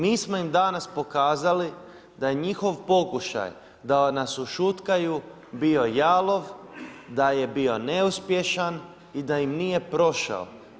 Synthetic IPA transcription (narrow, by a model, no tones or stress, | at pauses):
miːsmo̞imd̪anaspo̞kaːzali | d̪aje̞ɲixo̞ʋpo̞kuʃa̰j | d̪anasuʃut̪kaju | bio̞jaːlo̞ʋd̪aje̞bio̞ne̞uspje̞ʃan | id̪ajimnije̞pɾo̞ʃa̰o̰